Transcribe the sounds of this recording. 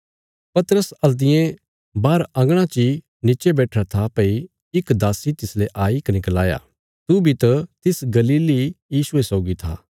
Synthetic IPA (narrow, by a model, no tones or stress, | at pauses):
pɐt̪əɾəsɐld̪ɪjẽ | baːɾãŋɡɽ̃ãt͡ʃi | nɪt͡ʃebɛːʈʰɾat̪ʰapɐi | ɪkd̪aːsit̪ɪsleʔaːikɐnɪklaːja̰ː | t̪ubʱit̪ɐt̪ɪsɡɐliːlijiːsuesɔːɡit̪ʰa̰ː